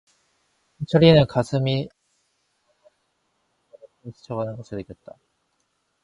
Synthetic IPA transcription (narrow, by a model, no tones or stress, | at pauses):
t͡ɕʰʌɾienɯnkasʰɯmi | ɯsʰɯ̥t͡ɕʰʌɡanɯnɡʌsʰɯnɯk͈jʌt̚t͈a